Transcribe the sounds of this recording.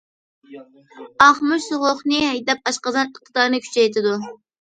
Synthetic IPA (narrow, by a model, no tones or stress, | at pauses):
ɑχmʊʃsoʁʊχnɨhɛjd̪ɛp̚ɑʃqɑzɑnəqʰːɨ̥t̪ɑɾnɨkʲʰy̥t͡ʃʰɛjt̪ʰɪd̪u